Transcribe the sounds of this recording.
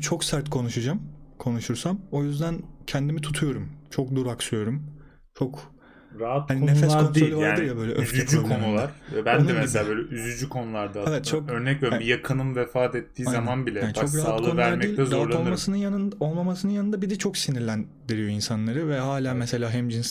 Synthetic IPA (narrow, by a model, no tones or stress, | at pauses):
t͡ʃʰo̞ksaɾt̪kʰo̞nuʃad͡ʒamkʰo̞nuʃuɾsamo̞jyzd̪æncʰɛnd̪imit̪ʰut̪ʰujo̞ɾumt͡ʃʰo̞k̚d̪uɾaksyjo̞ɾum | t͡ʃʰo̞k | ɾaɦat̪̚kaninefɛsakʰod̪ɾolʲvaaɾɯɾjabø̞jlʲɛ̰ʔøfzyd͡ʒykʰonulˠaɾvɛbænodnemɛsabø̞ːlʲɛyzyd͡ʒykʰo̞nulˠaɾd̪aevɛt̪t͡ʃʰok̚øɾnɛcvɛbijakʰɯnɯmvɛfaːt̪ɛt̪ʰːiːazamanbilʲɛaːnit͡ʃo̞k̬ɾaɦalkˠʰo̞nvæɾˠaɾmɛiːlʲʰɛzɾaalo̞lˠmasɯnɯnjanɯo̞lˠmamasɯnɯnjanɯnd̪abid̪ɛt͡ʃʰo̞ksiniɾlʲæn | d̪iɾijo̞insanlˠaɾɯvɛɦaːlʲaːmɛse̞lʲaːɦɛmd͡ʒins